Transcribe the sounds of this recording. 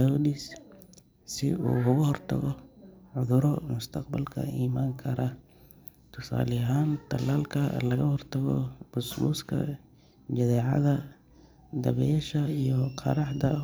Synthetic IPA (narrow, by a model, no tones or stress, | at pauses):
awdis | sɪ̰uːhʊɣʊhɔrt̪ʰɐ̰ɣɔʕʊðʊɾɔmʊst̪ʰɐqbɐlkʰɐ̰iːmaːŋkʰɐɾɐ | t̪ʰʊsa̰ːlɪɦaːnt̪ʰɐlːaːlkʰɐlɐɣɐhɔrt̪ʰɐɣɔ̰bʊsluːskʰɐ̰ | d͡ʒɐðɛːʕɑ̰ðɐ | d̪ɐβɛjɛʃɐijɔqʰɑ̰ɾɑħd̪ɐ